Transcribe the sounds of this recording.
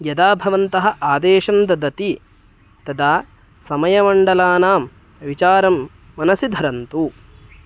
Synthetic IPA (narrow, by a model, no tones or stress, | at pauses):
jɐd̪aːbʱɐʋɐnt̪ɐɦɐ̆ʔaːd̪eːʃɐnd̪ɐd̪ɐt̪i | t̪ɐd̪aː | sɐmɐjɐmɐɳɖɐlaːnaːm | ʋit͡ʃaːɾɐmː | ɐnɐsid̪ʱɐɾɐnt̪u